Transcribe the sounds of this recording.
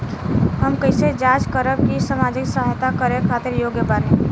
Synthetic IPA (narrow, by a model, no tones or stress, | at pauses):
ɦəmkəɪsed͡ʒat͡ʃkəɾəb̚kisəmad͡ʒɪksəɦajt̪akəɾekʰat̪ɪɾjoɡjəbaɾẽ